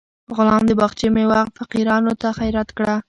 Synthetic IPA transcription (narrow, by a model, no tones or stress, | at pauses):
ɣʊlɑmd̪əbaxt͡ʃimewaxt̪faqiɾɑnot̪axajɾat̪kɽa